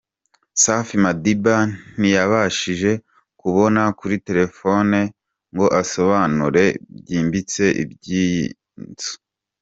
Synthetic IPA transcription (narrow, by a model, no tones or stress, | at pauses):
safimadiban̥ijaβaʃiʒe̞ | kuβo̞nakuɾite̞ɾe̞fo̞ne | ŋɡo̞ʔaso̞βaːnuɾe̞bɟiːmbit͡se̞ʔḭbɟi | nzo̥